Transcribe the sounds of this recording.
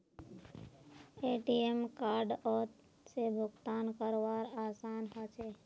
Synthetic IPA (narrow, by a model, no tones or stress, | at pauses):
eːʈiemkaːɾɖɔːt̪ | sebʱʊɡt̪aːnkəɾʋaːɾaːsaːnɦət͡ʃe